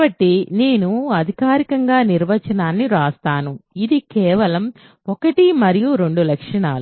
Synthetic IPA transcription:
bɐʈːineːnuɐd̪ʱikaːɾikɐŋɡaːniɾʋɐt͡ʃɐnaːnːiɾaːst̪aːnuid̪ikɛːʋɐlɐm | ɔkɐʈimɐɾijuɾe̞ɳɖulɐkʂɐɳaːlu

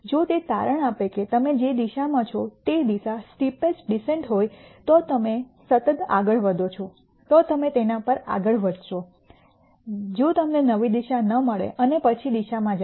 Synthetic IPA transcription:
d͡ʒot̪et̪a̰ɾəɳ̃apeket̪əmed͡ʒed̪iʃamãt͡ʃʰɔt̪ed̪iʃasʈipesɖiseɳʈɦojt̪ot̪əmesət̪ət̪a̰ɡəɭʋəd̪ot͡ʃʰɔ | t̪ot̪əmet̪enapəɾa̰ɡəɭʋəd̪ʱʃo | d͡ʒot̪əmnenəʋid̪iʃanəməɭḛʔənepət͡ʃʰid̪iʃamãd͡ʒ

